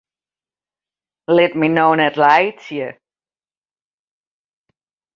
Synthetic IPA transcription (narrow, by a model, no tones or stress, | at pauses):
lɛt̚minownɛtlajsjə